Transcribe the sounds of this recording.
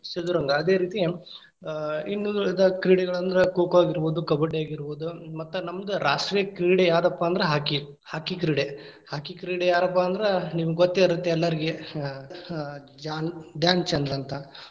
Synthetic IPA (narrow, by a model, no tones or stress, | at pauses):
sed̪uɾɐŋɡɐːd̪e̞ːɾiːt̪i | inːud̪ɐkɾiːɽɛɡɐɭɐnd̪ɐɾekoːkaːɡiɾboːd̪ukɐbɐɖejaːɡiɾboːd̪umɐt̪ːunɐmːɐd̪uɾʔaːʂʈɾekɾiːɽejaːd̪ɐpːaːnd̪ɐɾeɦaːki | haːkikɾiːɽe | haːkikɾiːɽejaːɾɐpːaːnd̪ɐɾeniːʋuɡot̪ːeiɾut̪ːeɛlːɐɾiɡe | d͡ʒaːnɖjaːnt͡ʃɐnd̪ɐɾɐnt̪ɐ